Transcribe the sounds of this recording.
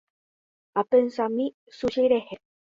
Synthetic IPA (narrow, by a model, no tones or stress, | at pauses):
at̪ənsami | suɕeɾehe